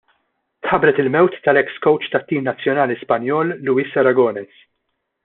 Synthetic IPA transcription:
t̪ħɐbɾɛt̪ɪlmɛwt̪ːɐlɛkskɔwt͡ʃt̪ɐt̪ːiːmnɐt͡sːjɔnɐːlispɐnjɔːlːuːɪsɐɾɐɡɔːnɛs

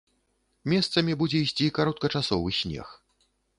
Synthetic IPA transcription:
mʲɛst̪sɐmʲibud͡zʲɛisʲt͡sʲikaɾɔt̪̚kɐt͡ʂasɔvɨsʲnʲɛ̰x

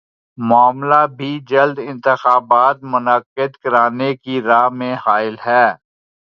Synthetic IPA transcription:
mʊaːmlabʱid͡ʒɐld̪ɪ̃nt̪ɪxaːbaːt̪̚mʊnəqːɪd̪kɐɾaːnekiɾaːmẽhaːɪlɦɛː

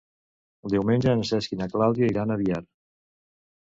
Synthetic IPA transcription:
lˠd̪iwmenʲʒəənəsɛskinaklawðjaiɾanəβiaɾ

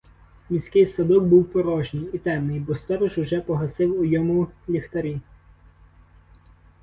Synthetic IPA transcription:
mʲisʲkɪjsɐd̪ɔk̚buwpɔɾɔʒnʲɪjit̪ɛmnɪjbɔst̪ɔɾɔʒʊʒɛpɔɦɐsɪwʊjɔmʊlʲixt̪ɐɾʲi

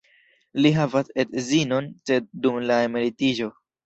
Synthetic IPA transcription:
liɦavasedzino̞nse̞d̚ːumlaemilitid͡ʒo̞

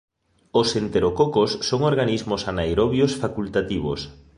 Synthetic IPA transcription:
osent̪eɾokokosːoŋoɾɣanizmosanajɾoβjosfakult̪at̪iβo̰s

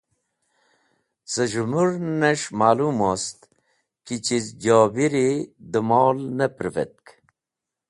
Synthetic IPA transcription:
səʒumuɾneʂmaːluːmoːst̪ | kit͡ɕizd͡ʑoːbiɾid̪əmoːlnəpɾivḛt̪̚k

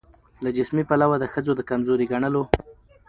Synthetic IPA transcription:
lad͡ʒɪsmipalawad̪əxəzod̪əkamzoɾiɡaɳəlo

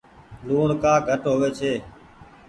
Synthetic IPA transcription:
luːɽkaːɡʱəʈɦoːʋeːt͡ʃʰeː

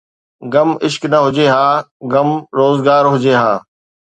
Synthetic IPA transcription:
ɡɐmɪʃknɐɦʊd͡ʑeɦaːɡɐmɾoːzɡaːɾɦʊd͡ʑeːɦaː

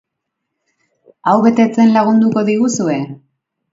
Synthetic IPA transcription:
awβe̞t̪e̞t͡se̞nlaɣund̪uko̞ðiɣusue̞

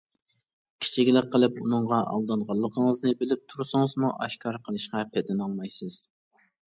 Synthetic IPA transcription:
kʲʰi̥t͡ʃʰikʲlˠɪk̚ʲqːəlˠɨpunɨɴʁɑʔɑ̰lˠd̪ɑnʁɑlˠːəqʰəŋəznɨbɪlɪp̚t̪ʰuɾsɨŋəzmuʔɑʃkʰɑɾqʰəlˠɨʃqɑpʰɛd̪ɛnɑlˠmɑjsɨz̥

